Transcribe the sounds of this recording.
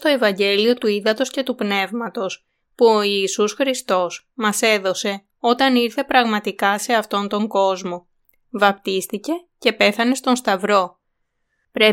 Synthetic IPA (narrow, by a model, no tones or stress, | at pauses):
t̪o̞e̞vɐɲɟe̞lio̞t̪uiðɐt̪o̞sce̞t̪upne̞vmɐt̪o̞s | puoiːsusxɾist̪o̞s | mɐse̞ðo̞se̞ | o̞t̪ɐniɾθe̞pɾɐɣmɐt̪ikɐse̞ɐft̪o̞nt̪o̞ŋɡo̞zmo̞ | vɐpt̪ist̪ice̞ce̞pe̞θɐne̞st̪o̞nst̪ɐvɾo̞ | pɾe